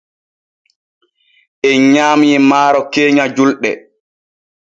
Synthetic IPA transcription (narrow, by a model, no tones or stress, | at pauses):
ʔɛɲaːmiːmaːɾɔkeːɲad͡ʒulɗɛ